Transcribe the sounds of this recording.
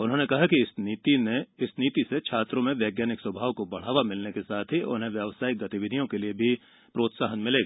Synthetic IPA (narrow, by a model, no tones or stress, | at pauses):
ʊnɦõːnekɐɦakisit̪ineɪsniːt̪iset͡ʃʰaːt̪ɾõmẽʋjɛːɡjaːnɪkswɐbʱaːʋkobɐɽ̤aːʋamɪlnekesaːt̪ʰiʔʊ̰nɦẽʋjəʋsaːɪk̚ɡɐt̪iʋɪd̪ʱijõkeliebʱi | pɾoːt̪saːɦənmɪleːɡa